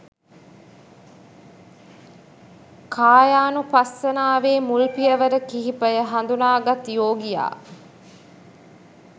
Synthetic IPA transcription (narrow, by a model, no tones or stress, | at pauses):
kʰaːjaːnupɐsːɐnaːʋeːmulpijɐʋəɾəkiɦipɐjəɦɐnd̪unaːɡɐt̪joːɡija̰ː